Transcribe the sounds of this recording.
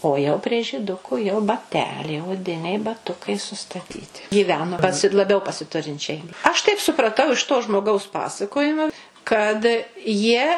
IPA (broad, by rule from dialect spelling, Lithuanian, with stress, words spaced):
oː jɛʊ pʲrʲiɛ ʒʲiːˈdʊkʊ jɛʊ bɐˈtʲæːlʲɛɪ oːˈdʲɪnʲɛɪ bɐˈtʊkɐɪ sʊstɐˈtʲiːtʲɪ ɡʲiːˈʋʲæːnoː pɐˈsʲɪ lˠɐˈbʲɛʊ pɐsʲɪˈtʊrʲɪnʲt͡ʃʲɛɪ ɐʃ tɐɪp sʊprɐˈtɐʊ ɪʃ toː ʒmoːˈɡɐʊs ˈpɑːsɐkoːjɪmoː kɐt jiɛ